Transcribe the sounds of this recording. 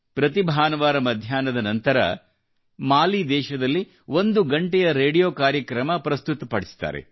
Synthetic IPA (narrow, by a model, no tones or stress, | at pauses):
pɾɐt̪ibʱaːnɐʋaːɾɐmɐd̪ʱjaːnɐd̪ɐnɐnt̪ɐɾɐ̰ | maːlid̪ɛːʃɐd̪ɐlːi | ʋond̪uɡɐɳʈɛjɐɾeːɽijoːkaːɾjɐkɾɐmɐpɾɐst̪ut̪ɐpɐɽisi̥t̪a̰ːɾḛ